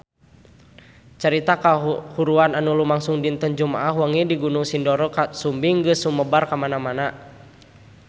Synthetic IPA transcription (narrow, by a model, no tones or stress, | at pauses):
t͡ʃəɾit̪akahuɾuananulumaŋsuŋdint̪ənd͡ʒumaʔaɦuaŋidiɡunuŋsindɔɾɔkasumbiŋɡəsuməbarkamanamana